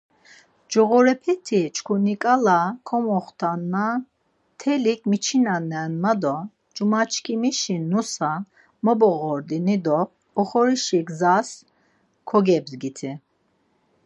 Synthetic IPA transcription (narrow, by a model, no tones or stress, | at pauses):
d͡ʒɔɣɔɾɛpʰɛt̪ʰit͡ʃʰkʰunikʼalakʰɔmɔχt̪ʰanːa | t̪ʰɛlikʰmit͡ʃʰinanɛnmad̪ɔ | d͡ʒumat͡ʃʰkʰimiʃinusa | mɔbɔɣɔɾd̪inid̪ɔː | χɔɾiʃiɡzas | kʰɔɡɛbzɡit̪ʰi